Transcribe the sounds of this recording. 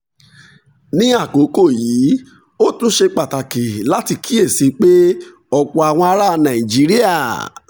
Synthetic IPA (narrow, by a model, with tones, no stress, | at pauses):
nĩ˦a˦˨ko˨˦ko˦˨jiː˨˦ | o˦tũ˦ʃe˧k͡pa˨ta˨ke˨la˦ti˧kʰi˦e˦˨si˨˧˦k͡pe˦ | ɔ˧k͡pɔ˧a˨w̃ɔ̃˧a˧˦ɾa˦˧nã˨ĩ˨d͡ʒi˨˦ɾi˦a˦˨